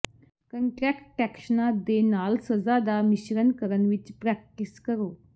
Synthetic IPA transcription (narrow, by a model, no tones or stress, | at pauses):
kəɳʈɾɛkʈʈːɛkʂənad̪enalsəd͡zad̪amiɕɾənkəɾənʋit͡ɕpɾɛk̚ʈiskəɾo